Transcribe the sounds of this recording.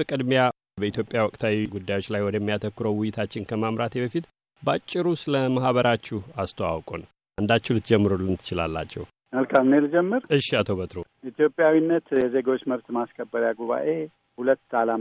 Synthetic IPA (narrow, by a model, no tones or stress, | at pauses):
əkʼəd̪mja | bəit̪jo̞pʼjawɔkʼt̪ʰawiɡud̪ːajo̞t͡ʃːlajwɔd̪əɛmːijat̪ʰəkːɨɾəwwɪjːɪt̪ʰat͡ʃːɪnkʰəmamɾat̪eβəfit̪ | bat͡ʃʼːɪɾusɨləmahβəɾʔat͡ʃːuhast̪ʰəwa̰wkʼon | ʔand̪at͡ʃːɛhlɨt̪d͡ʒɛmːɨɾolːɨnt̪ʰɨ̥t͡ʃɪla̰lːa̰t͡ʃːɛ̰w | məlkʰamneld͡ʒɛmːɨɾɨʃːiat̪ʰoβət̪ɾoit̪jo̞pʼːjawinːət̪jɛze̞ɡo̞t͡ʃːməβt̪maskʰəbːəɾjaɡuβa̰ʔe̞ | hulət̪ːalam